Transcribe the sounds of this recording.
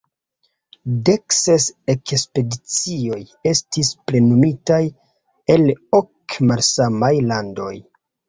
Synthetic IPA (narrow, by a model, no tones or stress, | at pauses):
de̞ksesekspe̞dit͡sio̞je̞stispɾe̞nomitaj | e̞lo̞kmalsamajlando̞̰j